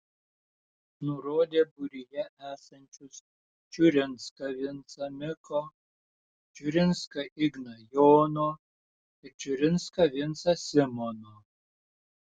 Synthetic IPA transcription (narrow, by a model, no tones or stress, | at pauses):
nʊɾoːd̪ʲeːbʊɾʲɪjɛʔæːsɐnʲt͡ʃʲʊs | t͡ʃʲʊɾʲɪnskɐʋʲɪnsɐmʲɪko | t͡ʃʲʊɾʲɪnskɐʔɪɡnɐjoːnoː | ɪɾt͡ʃʲʊɾʲɪnskɐʋʲɪnsɐsʲɪmɔnoː